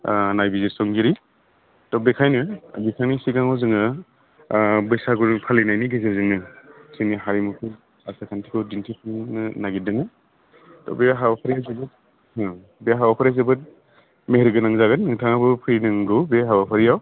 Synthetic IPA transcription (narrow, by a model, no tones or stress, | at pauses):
najbizesɔŋɡiɾi | tɔbekʰajnɯbikʰaŋnisiɡaŋɔzɯŋɯ | bɯjsaɡuɾpʰalinajniɡezezɯŋnɯsʰiniɦaɾimukʰɯ | asakʰantʰikʰɯwdintʰipʰɯnnɯnaɡidɯŋɯ | tɔ̰beɦabapʰaɾijawzebɯt̚ | ɯ | beaɦawapʰaɾiazebɯt̚ | meɦɾiɡɯnaŋzaɡɯnːɯŋtʰaŋabɯpʰɯɾinɯŋɡɯwbeɦabapʰaɾijaw